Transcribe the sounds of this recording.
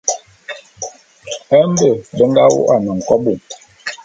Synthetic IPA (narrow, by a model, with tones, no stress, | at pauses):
ə˦m˦bə˦˨bə˦ŋ̩˦ɡa˦wṵ˦ʔa˨nə˨ŋ̩˨kɔ˦bu˨m